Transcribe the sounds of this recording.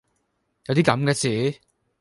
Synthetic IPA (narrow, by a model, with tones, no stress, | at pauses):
jɐ˨˧wt̪iː˥kɐ˨˥mkɛː˧t͡siː˨˦